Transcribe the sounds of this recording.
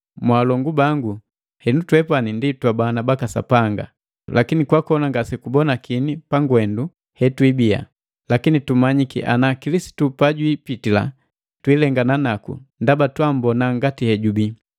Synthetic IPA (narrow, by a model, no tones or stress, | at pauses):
mwaːlɔŋɡubaŋɡu | hɛnutwɛpaninditwabaːnabakasa̰paŋɡa̰ | lakinikwakɔnaŋɡasɛkubɔnakinipaŋɡwɛndu | hɛtwibia̰ | lakinitumaɲikḭʔa̰nakilisi̥tupaɟwipitila̰ | twilɛŋɡananakṵndabatwam̩bɔnaŋɡatihɛɟubi